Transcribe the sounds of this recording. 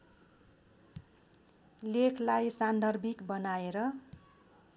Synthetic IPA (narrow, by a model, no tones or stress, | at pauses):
lekʰlajsand̪ʱʌrbʱikbʌnaeɾʌ